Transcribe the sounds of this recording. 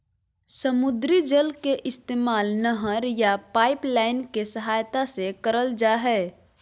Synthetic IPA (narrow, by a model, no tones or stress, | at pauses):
səmʊd̪ɾid͡ʒəlkeʔɪst̪eːmaːlnəɦəɾjapaːɪplaːɪnkesəɦaːjt̪asekəɾəld͡ʒaɦɛː